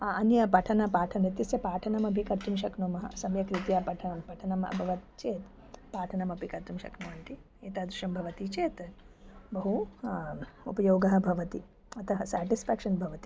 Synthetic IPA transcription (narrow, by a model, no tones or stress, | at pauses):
ɐnjɐpɐʈʰɐnɐpaːʈʰɐnit̪jɐsjɐpaːʈʰɐnɐmɐbʱikɐɾt̪umʃɐknuːmɐɦɐ̰sɐmjɐkɾit̪jaːpɐʈʰɐnɐmpɐʈʰɐnɐmɐ̰bʱɐʋɐt̪̚t͡ʃeːt̪ | paːʈʰɐnɐmɐbʱikɐɾt̪umʃɐ̰knuːʋɐnt̪i | eːt̪aːd̪ɾuʃɐmbʱɐʋɐt̪it͡ʃeːt̪ | bɐɦu | ṵpɐjoːɡɐɦɐ̆bʱɐʋɐt̪i | ɐt̪ʰɐɦɐsaːʈisfʰæːkʂɐnbʱɐʋɐt̪i̥